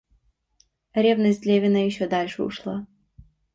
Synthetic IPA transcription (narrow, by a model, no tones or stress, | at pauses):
ɾʲevnəsʲtʲlʲevʲɪnəjɪɕːod̪alʲʂɨʊ̰ʂlˠa